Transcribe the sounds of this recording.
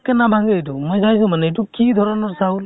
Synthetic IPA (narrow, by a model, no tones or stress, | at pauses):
kanabʱaŋɡɯjtumɔjzajs̬umanɯjtukʰidʱɔɾɔnɔɾsaul